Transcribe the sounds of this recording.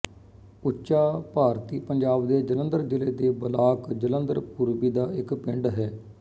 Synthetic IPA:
ʊtːʃaːpaːɾt̪iːpəɲd͡ʒaːbd̪eːd͡ʒələ̃nd̪əɾd͡ʒɪleːd̪eːbəlaːkd͡ʒələnd̪əɾpuɾbiːd̪aːɪkpɪ̃ɳɖɦɛː

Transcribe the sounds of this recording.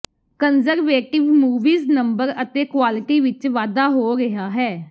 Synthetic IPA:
kənzəɾʋeːʈɪʋmuːʋiːznəmbəɾət̪eːkwaːlɪʈiːʋɪt͡ʃʋaːd̪aːɦoːɡɪɦaːɦɛː

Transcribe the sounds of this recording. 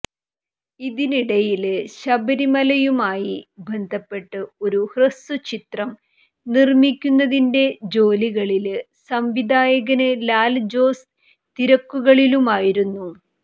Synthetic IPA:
iðiniɽɐjilɕɐbɐɾimɐlɐjumaːjibʱend̪ʱɐpːe̞ʈːɨo̞ɾuhrɨsut͡ɕit̪rɐm | nirmikʲːunːɐðinde̞d͡ʑo̞ːliɣɐɭil | sɐmʋid̪ʱaːjɐɣɐnɨlaːld͡ʑo̞ːs | t̪iɾɐkːuɣɐɭilumaːjiɾunːu

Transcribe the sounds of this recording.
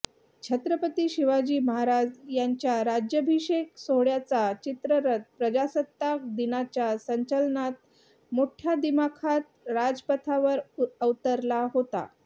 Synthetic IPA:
t͡ɕʰət̪ɾəpət̪iːɕiʋad͡ʑiːməɦaɾad͡zjaɲt͡ɕjaɾad͡ʑjəbʱiɕeksoɽjat͡sat͡ɕit̪ɾəɾət̪̚pɾəd͡ʑasət̪ːak̚d̪inat͡ɕjasəɲt͡ɕəlnat̪̚ | moʈʰjad̪imakʰat̪ɾad͡zpət̪ʰaʋəɾəʋt̪əɾlaɦot̪a̰

